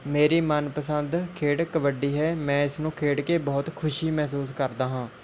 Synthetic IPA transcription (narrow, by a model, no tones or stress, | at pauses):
meːɾiːmənpəsənd̪kʰeːɽkəʋəɖiːɦɛːmɛ̃ːɪsnũːkʰeːɽkeːbɔːt̪kʰʊʃiːmɛːsuːskəɾd̪aːɦãː